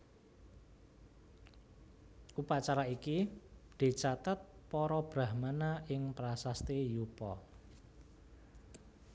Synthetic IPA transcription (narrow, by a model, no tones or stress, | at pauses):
ʔupat͡ʃaɾaikid̪̥i̤t͡ʃat̪at̪̚pɔɾɔb̥ɾa̤hmanaɪŋpɾasast̪ejupɔ̰